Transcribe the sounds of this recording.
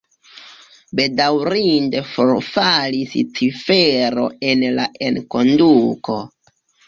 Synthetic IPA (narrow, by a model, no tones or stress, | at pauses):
be̞dawɾinde̞foɾfalist͡sifeɾo̞̰e̞nlaʔe̞nko̞nduko̞